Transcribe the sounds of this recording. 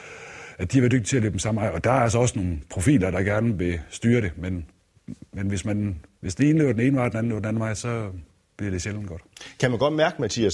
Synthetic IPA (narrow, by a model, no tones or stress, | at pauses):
æd̥iʋɑ̈d̥øɡ̥̚d̥it͡sʰe̝æløːb̥m̩sɑ̈mnɑ̈ɪ̰ɒ̽d̥ɑ̈æɐælsɒɒ̽səno̝ːn̩pʰʁo̝fḭːlɐɾ̥ɑ̈ɡ̥æɐnəʋe̝sd̥yːɐɾe̝men | menʋe̝smænʋe̝sd̥ene̝ːn̩əle̝ːɐdene̝ːn̩ɑ̈ɪ̰d̥enænle̝ʊdenæn̩ʋɑ̈ɪ̰sɒ̽ | b̥liɐɾ̥e̝ɕeln̩ɡ̥ɒ̽d̥kʰæmænɡ̥ɒ̽d̥mæɐɡ̥əmæt͡sʰḭːæs